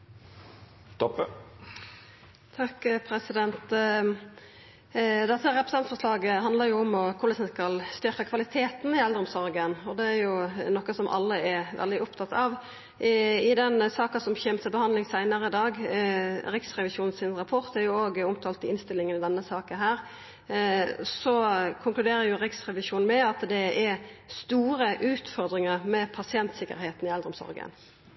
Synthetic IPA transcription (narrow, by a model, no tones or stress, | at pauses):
t̪ʰɔpː | t̪ʰɑkpʰɾɛsɪd̪ɛnt̪ | d̪ɛt̪ːəɾɛpɾəsɑnt̪fɔʁʂlɑːɡəɦɑnd̪ləʁɾjʊɔmɔkʰʊləsɛnskɑlst̪ʏɾkəkʰʋɑlɪt̪ʰeːt̪nɪɛld̪ʁɾɔmsɔʁɡənɔd̪ɛæɾjʊnɔkːɑsɔmʔɑ̰lːəɛɾʋɛ̰ld̪ɪʊpt̪ʰɑt̪ɑʋ | ɪd̪ɛnsɑːkɑsɔmçɛmt̪əbəhɑnd̪lɪŋsæɪnəɾəɪd̪ɑːɡ | ɾɪksɾɛʋɪsuːnn̩sɪnʁɑpʰɔʁt̪æɾjʊoːɡʊmt̪ʰɑːlt̪ɪɪnst̪ɪlːɪŋənɪd̪ɛnːəsɑːkəɦæːɾ | sɔkʰʊŋklʉd̪eːɾəɾjʊɾɪksɾɛʋɪʃuːn̩mɛɑt̪d̪ɛɛɾst̪uːɾəʔʉːt̪fɔɾd̪ɾɪŋəʁmɛpʰɑsɪɛnt̪sɪkə̰ɾheːt̪n̩ɪɛld̪ɾɔmsɔ̰ɾɡə̰n